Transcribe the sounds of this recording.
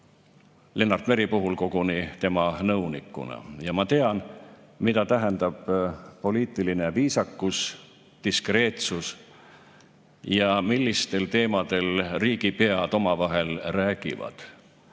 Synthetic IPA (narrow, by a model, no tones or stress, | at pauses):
le̞nːɑrt̪me̞ɾipuɦulko̞ɡ̥unit̪e̞mɑnɤunikːˑṵnɑ̰jɑmɑt̪e̞ɑnmit̪ɑt̪æɦend̪̥ɑb̥po̞liːt̪ˑiline̞viːsɑkːˑus | t̪iskre̞ːt̪sus | jɑmilːist̪e̞lt̪e̞ːmɑd̪̥e̞lriːɡ̥ipeɑd̪̥o̞mɑvɑɦe̞lræːɡ̥ḭvɑ̰d̪̥